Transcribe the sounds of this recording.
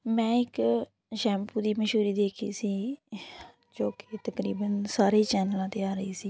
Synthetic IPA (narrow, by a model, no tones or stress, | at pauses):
mɛ̃ːɪk | ʃɛːmpuːd̪iːməʃuːɾiːd̪eːkʰḭːsiː | d͡ʒoːket̪əkɾḭːbənsaːɾiːt͡ʃɛːnəlãːt̪eːaːɾəiːsiː